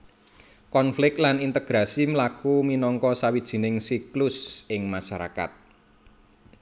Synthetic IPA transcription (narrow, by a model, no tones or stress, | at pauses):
kɔnflɪk̚lanint̪əɡ̥ɾasimlakuminɔŋkɔsawid̥ʒ̥i̤nɪŋsiklʊsɪŋmaʃaɾa̰ka̰t̪̚